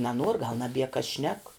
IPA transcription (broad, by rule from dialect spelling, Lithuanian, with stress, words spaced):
nɐˈnuɔr ɡɐlˠ nɐˈbʲiɛ kɐs ʃʲnʲɛk